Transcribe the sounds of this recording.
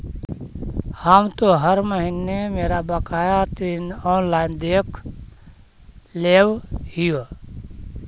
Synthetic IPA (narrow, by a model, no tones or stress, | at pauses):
haːmt̪oɦəɾməɦinemeːɾabəkaːjat̪inɔːnlaːɪnd̪eːkʰ | leːwhɪjo